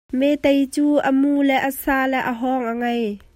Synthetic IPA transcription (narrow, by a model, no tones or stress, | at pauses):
mɛt̪ejt͡suːʔəmulɛʔəsaːlɛʔəɦɔŋʔəŋɐj